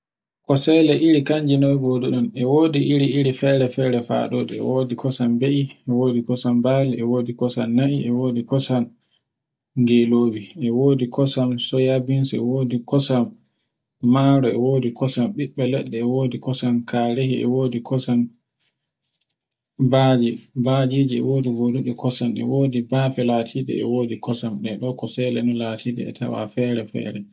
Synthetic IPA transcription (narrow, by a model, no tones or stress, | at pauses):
kɔsɛlɛʔiɾikaɲd͡ʒinɔjɡɔduɗɔnɛwoːdiʔiɾiiɾifɛːɾɛfɛːɾɛfa̰ːɗɔɗɛɛ̰woːdikʰɔsambeʔiɛwoːdikɔsambaːliɛwoːdikɔsamːaʔiʔɛwoːdikɔsan | ŋɡeloːbiʔɛwoːdikʰɔsamsɔjabinsɛwoːdikɔsamː | aɾɔɛ̰wodikɔsamɓiɓːɛlɛɗːɛːwoːdikɔsankaɾehiʔɛ̰woːdikɔsan | baːd͡ʒibad͡ʒiːd͡ʒiɛ̰woːdiɡoɗuɗikʰɔsanɛ̰woːdibaːfɛlatʰiːɗɛ̰ɛ̰woːdikɔsamɗɛɗɔkɔsɛlɛnɔlatʰiɗɛ̰ɛ̰tʰa̰wa̰fɛːɾɛfɛ̰ːɾɛ